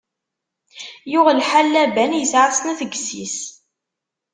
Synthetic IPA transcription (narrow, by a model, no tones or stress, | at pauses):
jʊʁlħalːæbænjəsʕasnæθəɡsis